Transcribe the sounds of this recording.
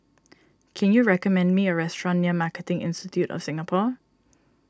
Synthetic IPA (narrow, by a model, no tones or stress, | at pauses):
kʰɛ̃njuɹɛkəmɛ̃nmiəɹɛstɹɔ̃nːiəmakətɪ̃ŋʔɪ̰̃nstɪtʰjutɔ̰fsɪ̃ŋəpʰɔ